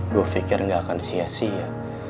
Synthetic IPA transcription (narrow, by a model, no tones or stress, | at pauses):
duafikɪrŋɡakansiasia